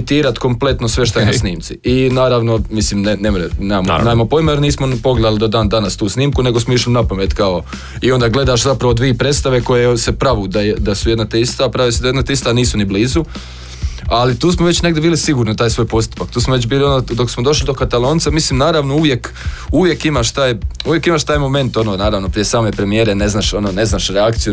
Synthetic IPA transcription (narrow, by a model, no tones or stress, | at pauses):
t̪iːɾat̪ko̞mple̞t̪nosʋeʃt̪omosniːmt̪siinaːɾaʋno̞mislimnenemɾenemam̰namopojmajeɾniːsmonpo̞ɡled̪alid̪od̪aːnd̪anast̪uːsniːmkune̞ɡo̞smoiʃlinapamet̪kao̞ | io̞nd̪aːɡle̞d̪aːʃzapɾaʋo̞d̪ʋiːpɾe̞t̪st̪aʋe̞ko̞jesepɾaʋuːd̪ajed̪asujed̪nat̪eist̪apɾaʋisud̪ajed̪nat̪eist̪aniːsunibliːzu | alit̪uːsmoʋe̞t͡ɕne̞ɡd̪ʲebiːlisiɡuːɾnit̪aːjsʋoːjpo̞st̪u̥pakt̪uːsmoʋet͡ɕbiːlio̞nod̪o̞ksmod̪o̞ʃlid̪o̞kat̪alˠo̞ːnt̪samisliːmnaːɾaʋno̞uʋje̞k | uʋje̞kimaʃt̪aːjuʋjekimaʃt̪aːjmo̞me̞nt̪o̞nonaːɾaʋnopɾijesaːme̞pɾe̞mijeːɾene̞znaːʃo̞noːne̞znaːʃɾeakt̪siju